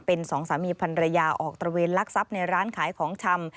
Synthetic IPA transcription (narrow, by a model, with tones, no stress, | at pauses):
pe˧nsɔː˩˦ŋsaː˩˦miː˧pʰa˧nɾa˧jaː˧ʔɔː˨˩k̚t̪ɾa˧weː˧nla˦˥k̚sa˦˥p̚na˧jɾaː˦˥nkʰaː˩˦jkʰɔː˩˦ŋt͡ɕʰa˧m